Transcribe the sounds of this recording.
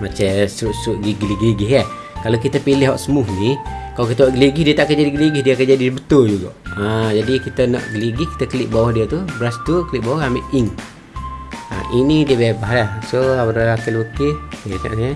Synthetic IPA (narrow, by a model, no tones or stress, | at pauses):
mat͡ʃəsuʔsuʔɡiɡliɡliɡɪɦɛ | kalokit̪əpilɪɦaʔsəmʊhnikalokit̪əwɔʔɡəliɡɪhdiət̪aʔkərd͡ʒadiɡəliɡɪhdiəkəd͡ʒadisəbət̪ʊld͡ʒuɡɔ̰ʔad͡ʒadikit̪əna̰ʔɡəliɡihki̥t̪əkəliʔbawɔhdiət̪ubɾast̪ukəlɪʔbawɔɦamɪʔiŋ | a̰ʔiŋnidiəbebaɦlahsoawəɾaakilukiina̰ʔə